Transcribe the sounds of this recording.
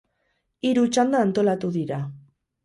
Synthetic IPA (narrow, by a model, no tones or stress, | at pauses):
iɾut͡ʃand̪aːnt̪o̞lat̪uðiɾa